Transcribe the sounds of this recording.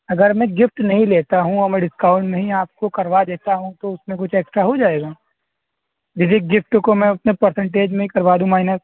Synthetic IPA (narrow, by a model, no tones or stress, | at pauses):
ɐɡəɾmɛ̃ɡɪfʈnɐɦĩleːt̪aɦũɔɾmɛ̃ɖɪskaːʊɳɖmẽɦĩaːp̚kokɐɾʋad̪eːt̪aɦũt̪oʊsmẽkʊt͡ʃʰɛːksʈɾaɦod͡ʒaːeːɡaː | bɪsiɡɪfʈkomɛ̃ʊt̪nepəɾsə̃ɳʈeːd͡ʒmẽɦikɐɾʋaːd̪ũmaːɪnəs